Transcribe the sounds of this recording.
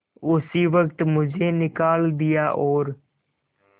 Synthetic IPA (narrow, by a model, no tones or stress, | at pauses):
ʊsiːʋək̚t̪mʊd͡ʒʱeːnɪkaːld̪ɪjaːʔoːɾ